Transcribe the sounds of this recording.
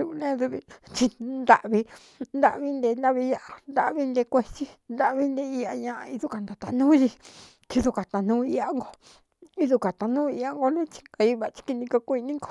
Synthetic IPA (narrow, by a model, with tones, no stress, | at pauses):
u˧u˧nẽ˦ðu˧βi˧t͡ʃi˧nd̪a̰˧ʔβi˧ | nd̪a̰˧βi˧˦nd̪e˧nd̪a˦βi˧ja˧ʔa˧nd̪a˧ʔβi˧˦nd̪e˧kʷe˧t͡ʃi˦nd̪a˧ʔβi˦nd̪e˧i˧a˧ɲã˧a˧i˧ðu˦˧ka˧˨nd̪a˨t̪a˧nũː˦ji˧ | t͡ʃi˧ðu˧ka˨t̪a˧nũː˦i˧a˦ŋɡo˧ | i˧ðu˧ka˨t̪a˧nũː˦i˧a˧ŋɡo˧nẽ˦t͡ʃi̥˧ŋɡa˧i˧βa˨˧t͡ʃi̥˧ki˧nĩ˧ko˧kʷi˧nĩ˦ŋɡo̥˧